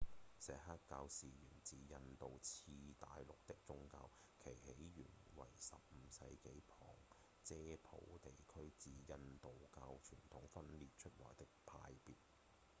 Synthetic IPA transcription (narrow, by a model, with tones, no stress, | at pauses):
sɛː˨haː˥t̚kaː˧wsiː˨jyː˨˩nt͡siː˧jɐ˧nt̪o˨wt͡sʰiː˧t̪aː˨jlʊ˨k̚t̪ɪ˥k̚t͡sʊ˥ŋkaː˧w | kʰe˨˩jhe˨˥jɥyː˨˩nwɐ̰˨˩jsɐ̰˨p̚m̩˨˧sɐ˧jke˨˥jpʰɔː˨˩ŋ | t͡sɛː˥pʰo̰˨˥wt̪e˨˩jkʰɵ˥ɥt͡siː˨˧jɐ˧nt̪o˨wkaː˧wt͡ʃʰyː˨˩nt̪ʰʊ˨˥ŋfɐ˥nliː˨t̚t͡ʃʰɵ˥t̚lɔ̰ː˨˩jt̪ɪ˥k̚pʰa̰ː˧jpiː˨t̚